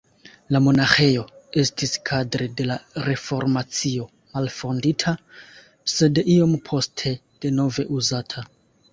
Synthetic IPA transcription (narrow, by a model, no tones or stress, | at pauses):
lamo̞naxe̞jo̞e̞stʰiskʰadɾede̞laɾe̞fo̞ɾmat͡sio̞ | malfo̞nditʰa | se̞dʔio̞mpʰo̞stʰe̞ | d̥e̞no̞ve̞ʔuzatʰa